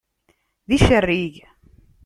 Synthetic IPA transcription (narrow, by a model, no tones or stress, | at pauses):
ðiʃərːiʝ